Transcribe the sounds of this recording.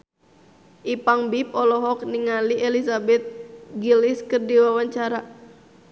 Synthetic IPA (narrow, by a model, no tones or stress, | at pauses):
ʔipaŋbip̚ɔlɔɦɔk̚niŋaliʔelisabɛt̪̚ɡiliskɨrdiwawaɲt͡ʃaɾa